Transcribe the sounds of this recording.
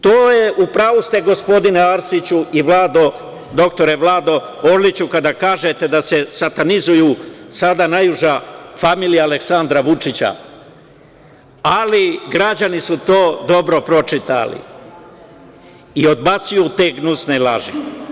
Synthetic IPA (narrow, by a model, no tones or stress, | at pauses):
t̪oːjeʔupɾaːʋust̪e̞ɡo̞spo̞d̪ineaɾsit͡ɕuiʋlaːd̪o̞ | d̪o̞kt̪o̞ɾeʋlaːd̪o̞oɾlit͡ɕukad̪akaːʒet̪e̞d̪ase̞sat̪anizujuːsad̪anajuʒafamiːlijaːleksand̪ɾaʋut͡ʃit͡ɕa̰ | aliɡɾad͡ʑanisut̪o̞ːd̪o̞bɾo̞pɾo̞t͡ʃit̪a̰lḭ | io̞d̪̚bat̪sujut̪eɡnusnela̰ʒi